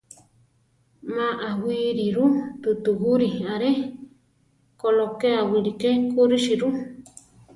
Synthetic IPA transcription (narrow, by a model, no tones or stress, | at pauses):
mãʔawiɾiɾut̪ut̪uɦuɾiaɾe | kolokeawiɾikekuɾiʃiɾu